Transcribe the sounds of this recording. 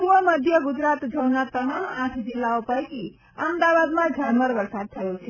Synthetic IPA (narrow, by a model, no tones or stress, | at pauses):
suʋəməd̪ʱjəɡud͡ʒɾat̪d͡ʒʱəwnat̪əmamãt̪ʰd͡ʒilːaopajki | əmd̪aʋad̪mãd͡ʒʱanməɾʋəɾsad̪̚t̪ʰəjot͡ʃʰe